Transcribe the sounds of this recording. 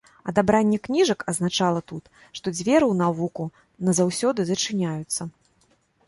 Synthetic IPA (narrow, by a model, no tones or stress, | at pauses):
ɐ̰d̪abɾanʲːɛknʲiʐɐkɐznat͡ʂalˠɐt̪ut̪ | ʂt̪ɔd͡zʲvʲɛɾɨwnavuku | nɐzawsʲɔd̪ɨzɐt͡ʂɨnʲajut̪sːɐ